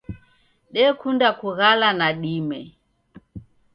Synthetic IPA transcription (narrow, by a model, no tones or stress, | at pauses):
ɗɛkundakuɣalanaɗimɛ